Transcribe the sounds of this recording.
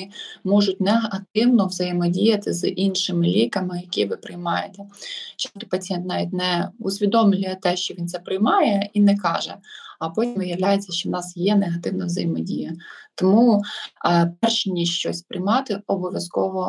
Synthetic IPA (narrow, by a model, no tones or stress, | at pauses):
ɪmɔʒʊtʲneɦɐɐt̪ɪwnɔʋzɐjemɔdʲijɐt̪ɪzʔinʃɪmɪlʲikɐmɪjɐkʲiʋɪpɾɪjmɑjet̪ɛt͡ʃɑst̪ɔ̥pɐt͡sʲijɛnt̪nɑʋʲit̚ʲnɛusʲʋʲid̪ɔmlʲʊjɛt̪ɛʃt͡ʃɔʋʲint̪sɛpɾɪjmɑjɛinɛkɑʒɛ̰ɐpɔtʲimʋɪjɐʋlʲajet͡sʲːɐʃt͡ʃɔnɑsjɛneɦɐt̪ɪwnɐʋzɐ̰jɪmɔdʲijɐt̪ɔmu | pɛrʃnʲiʃt͡ʃɔsʲpɾɪjmɑt̪ɪɔbɔʋʲjɐskɔʋɔ